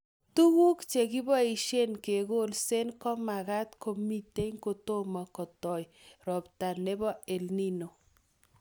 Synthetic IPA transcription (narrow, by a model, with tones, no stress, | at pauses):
tu˦ɣu˦kt͡ʃe˨ki˦bɔ˦i˨ʃe˦nke˨ɡo˦lse˦nkɔ˦ma˨ɣa˦tkʰo˨mi˦te˦ŋko˨to˦ma˨kɔ˨tɔ˨jɾɔ˨pta˨ne˦bɔ˦e˨lni˦no˨